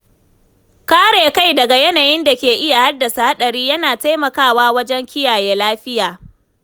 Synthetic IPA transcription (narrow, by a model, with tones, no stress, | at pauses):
kaː˦ɽeː˨ka˦jdɐ˨ɡa˨jɛ˦naː˨jɪ˦nda˨kʲeː˨ʔɪ˦ja˨ha˦dːɐ˨sa˨ha˦ɗɐ˨ɽiː˦jɐ˦naː˨ta˦jmɐ˨kaː˦˨waː˦wɐ˦d͡ʒɛ˦ŋkʲɪ˦jaː˨jeː˦laː˦ɸɪ˦jaː˨